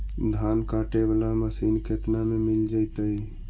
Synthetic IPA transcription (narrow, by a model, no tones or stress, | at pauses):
d̪ʱankaʈebalaməsinkʰet̪namemild͡ʒajt̪əi